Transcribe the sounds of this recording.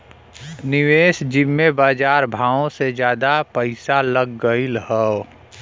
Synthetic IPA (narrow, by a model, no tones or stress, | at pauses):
nɪweːsd͡ʒɪmːebaːd͡ʒaːɾbʱaːõsed͡ʒjaːd̪apəɪsaləɡːəilɦəo